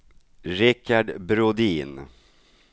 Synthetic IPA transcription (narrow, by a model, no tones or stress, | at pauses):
ɾɪkaɖbɾʊd̪iːn